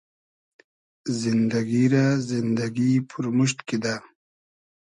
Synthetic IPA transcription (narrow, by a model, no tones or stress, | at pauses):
zind̪ɐɡiɾazind̪aɡipʰuɾmuʃt̪kid̪a